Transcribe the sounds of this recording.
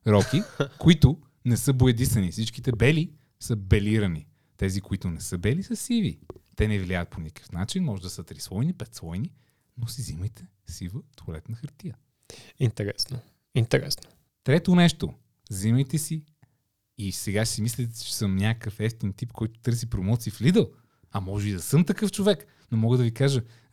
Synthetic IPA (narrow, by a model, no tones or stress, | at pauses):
ɾɔkikoit̪ʊ | nɛsɤboɛd̪isɐnifsit͡ʃk̟it̪ɛbɛli | sɤbɛliɾəni | t̪ɛzikoit̪ʊnɛsɤbɛlisɐsivit̪ɛnɛvliajət̪̚ponikə̥kʰə̥fnat͡ʃinmɔʒɛd̪ɐsət̪ɾisvɔjnipɛt̪svɔjni | nosiziməjt̪ʰɛ | sivəft̪olɛt̪nɐxəɾt̪iə | int̪ɛɾɛsno | int̪ɛɾɛ̰sno̥ | t̪ɾɛt̪onɛʃt̪o | ziməjt̪ɛsiː | sɛɡasimislit̪ɛt͡ʃɛ̥sɤmnʲakəkəfɛft̪int̪ipkʰɔjt̪ʊ̥t̪ɤɾs̬ipɾomɔt̪siːflid̪əlˠ | ɐmɔʒɛid̪ɐsɤmt̪ɐkɤft͡ʃovɛk | nomɔɡəd̪ɐvikaʒə